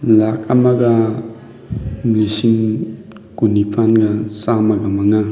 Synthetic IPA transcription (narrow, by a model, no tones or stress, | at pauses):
lak̚amaɡa | mlisiŋ | kunipʰanɡasamaɡamaŋa